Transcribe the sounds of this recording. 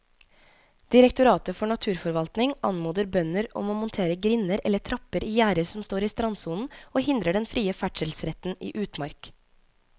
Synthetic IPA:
d̪̥ɪɾɛkt̪ʊɾɑːt̪əfɔɳɑt̪ʰʉːɾfɔɾʋɑlt̪nɪŋɑ̰nmuːd̪əɾbœnəɾɔ̰moːmʊnt̪ʰeːɾəɡɾɪnəɾɛlːət̪ʰɾɑpəɾiːjæːɾəɾsɔmst̪oːɾiːst̪ɾɑnsuːnn̩oːhɪnd̪ɾəɖɛnfɾiːəfæʈʃəl̩sɾɛt̪n̩ḭːʔʉːt̪mɑɾk

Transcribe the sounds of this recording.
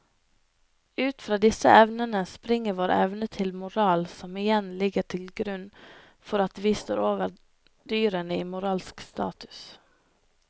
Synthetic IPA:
ʉːt̪fɾɑːd̪ɪsə̰ʔɛʋnənəspɾɪŋəʋoːɾɛ̰ʋnət̪ʰɪlmʊɾɑːlsɔmɪjɛnlɪɡəʈʰɪlɡɾʉn | fɔɾɑt̪ʋiːst̪o̰ːɾoːʋəɾ | d̪yːɾənəiːmʊɾɑːlskst̪ɑ̰ːt̪ʉ̥s

